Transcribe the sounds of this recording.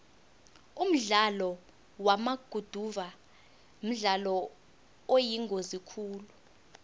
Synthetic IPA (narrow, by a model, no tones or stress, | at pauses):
um̩ɮalɔ | wamaɡ̥ʱud̥ʱuva | m̩ɮalɔ | ojiŋɡʱozikʰuːlu